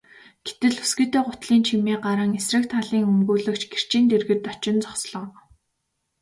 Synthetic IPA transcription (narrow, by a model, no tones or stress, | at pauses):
ɡ̥e̥t̪ɘ̆ɮu̥sɡɘ̆t̪eːɢʊt̪ɮiːnt͡ɕʰimiːɢaɾə̆ŋesrɘ̆kt̪χaɮiːŋɵmɡuːɮɵ̆kt͡ɕɡer̥t͡ɕiːnt̪erɣɘ̆tt̪ːɔt͡ɕɪ̆nt͡sɔχsɮɞ̆ŋ